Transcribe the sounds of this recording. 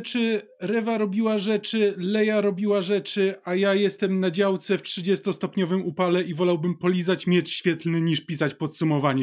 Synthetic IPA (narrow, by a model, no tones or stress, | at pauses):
t͡ʂɘ | ɾɛvaɾɔbʲiwaʐɛt͡ʂɘlɛjaɾɔbʲiwaʐɛt͡ʂɘʔajajɛst̪ɛmnad͡ʑawt̪sɛftʂɘd͡ʑɛst̪ɔst̪ɔpɲɔvɘmupalɛivɔlawbɘmpɔlʲizat͡ɕmʲjɛt͡ʂɕfʲjɛt̪lnɘɲiʂpʲisat͡ɕpɔt̪sumɔvaɲɛ